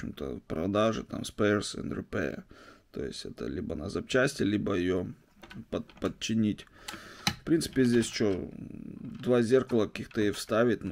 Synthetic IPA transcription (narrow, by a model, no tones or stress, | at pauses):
ɪmt̪ə̰pɾɐ̰d̪aʐɨ̰t̪a̰mspersɨ̰nrʲɨpɛ̰t̪o̞̰jɪ̰sʲtʲɛ̰t̪ə̰lʲibənɐzɐp̚t͡ɕæsʲtʲɪlʲibəjɪjo | pəpət̪̚t͡ɕːɪnʲitʲ | fpɾʲint̪sɨ̥pʲɪzʲdʲesʲt͡ɕo | d̪vazʲerkəlˠəkɐkʲixt̪əɪjofst̪avʲɪt̚ʲn